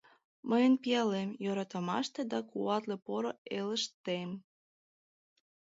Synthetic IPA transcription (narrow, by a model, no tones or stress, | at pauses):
məjənpijɑlemjoɾɑt̪əmɑ̰ʃt̪ed̪ɑkuɑt̪lepoɾoeləʃt̪em